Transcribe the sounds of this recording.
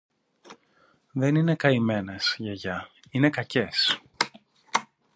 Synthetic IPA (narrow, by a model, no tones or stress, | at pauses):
ðe̞nine̞kɐime̞nesʝɐʝɐ | ine̞kɐce̞s